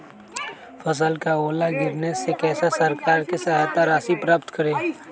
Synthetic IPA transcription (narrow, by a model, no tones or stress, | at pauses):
fʰəs̬əlkaoːlaɡɪɾnesekɛːsasɐɾkaːɾkisɐɦat̪aɾaːsipɾaːpt̪kəɾẽː